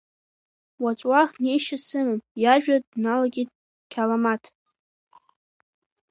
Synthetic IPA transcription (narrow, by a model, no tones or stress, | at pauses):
wat͡ʃʷʼwaχne̞jʃasɨmɨmjaʒᶣadnalaɡʲit̚ʼ | kʲʰalamatʰ